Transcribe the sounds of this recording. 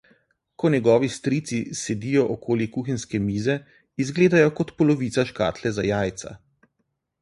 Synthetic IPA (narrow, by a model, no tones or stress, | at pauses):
kɔnʲjɛɡɔːʋist̪ɾiːt̪sisɛd̪ijɔʔɔkʰoːlikuxinskɛmiːzɛ | izɡleːd̪ajɔkɔt̪pɔlɔʋiːt̪saʃka̰ːt̪lɛzajaːjt̪sa̰